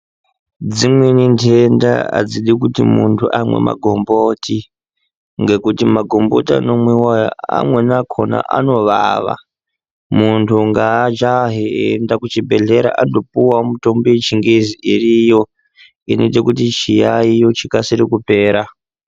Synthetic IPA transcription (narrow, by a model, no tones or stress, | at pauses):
d͡zimwenindenda̰a̰d͡ziɗikutimuntʰuʔamwe̞̰ma̰ɡʱo̞mbotʰi | ŋɡe̞kutimaɡʱombo̞ta̰no̞mwiwaja̰a̰mwe̞nakʰo̞na̰ʔa̰no̞ʋaʋa̰ | muntʰuŋɡat͡ʃaɦeendakut͡ʃibʱe̞ɮe̞ɾa̰ʔando̞puwamuto̞mbit͡ʃiŋɡeziʔirijo̞ | inetekutit͡ʃijaijo̞t͡ʃikasiɾikupe̞ːɾa